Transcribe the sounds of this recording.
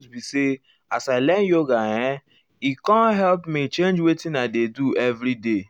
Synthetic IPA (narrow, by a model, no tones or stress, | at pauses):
bise | asaɪlɛn̩joɡajɛ̃ | ikɔ̃nɦɛlpmit͡ʃẽnd͡ʒwetĩnadeduɛvɾide